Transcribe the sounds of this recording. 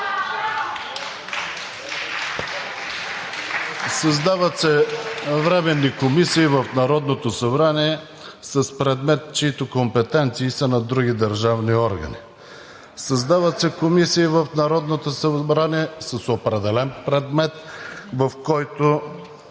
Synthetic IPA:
sɐzd̪avət̪sɛvɾɛmɛnːikomisiːvəfnɐɾɔd̪not̪osɐbɾaniɛ | sɐspɾɛd̪mɛt̪t͡ʃiit̪okompɛt̪ɛnt̪siːsɐnɐd̪ɾuɡʲid̪əɾʒavniɔɾɡɐ̰nḭ | sɐzd̪avət̪sɛkomisiːvəfnɐɾɔd̪not̪osɐbɾaniɛsəsopɾɛd̪ɛlɛnpɾɛd̪mɛt̪vɐfkɔjt̪o

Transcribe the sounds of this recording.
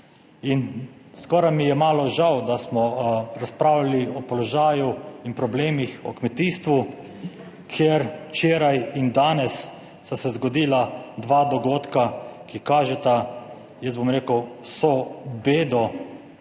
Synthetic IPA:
inskɔɾajmijɛmaːlɔʒawd̪asmɔɾaspɾaːwlaliɔpɔlɔʒaːjuinpɾɔbleːmixɔ̰kmɛt̪iːst̪ʋu | kʰeɾt͡ʃeːɾajind̪aːnɛsː | asɛzɡɔd̪iːlad̪ʋaːd̪ɔɡoːt̪kakikaːʒɛt̪a | jɛst̪bɔmɾeːkəwsɔbeːd̪ɔ

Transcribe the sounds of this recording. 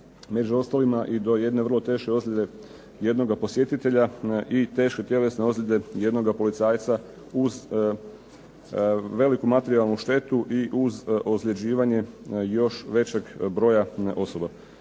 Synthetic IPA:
me̞d͡ʑuo̞st̪alimaʔid̪o̞je̞d̪ne̞ʋr̩lot̪e̞ːʃke̞o̞zlʲed̪e̞ | je̞d̪no̞ɡapo̞sje̞t̪it̪e̞ʎaʔit̪e̞ːʃke̞t̪ʲje̞le̞sneozlʲed̪e̞je̞d̪no̞ɡapo̞lit̪saːjt̪sa | uz | ʋe̞likumat̪e̞ɾialˠnuʃt̪e̞t̪uʔiʔuzozʎʲe̞d͡ʑiːʋaɲe̞jo̞ʃʋe̞t͡ɕe̞ɡbɾo̞jao̞so̞ba

